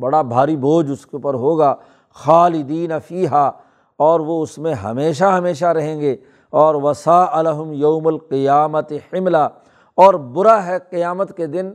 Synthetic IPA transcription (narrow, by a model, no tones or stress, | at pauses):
bɐɽabʱaːɾiboːd͡ʒʊskeuːpəɾɦoːɡaː | xaːlɪd̪iːnɐfiːɦaː | ɔːɾʋoʊsmẽɦɐ̰meːʃ̬aɦɐmeːʃ̬aɾɐɦẽːɡeː | ɔːɾʋɐsaːʔɐlɐɦʊmjɐʊmɐlqɪjaːmɐt̪ɪħɪmla | ɔːɾbʊɾaɦɛqɪjaːmət̪ked̪ɪn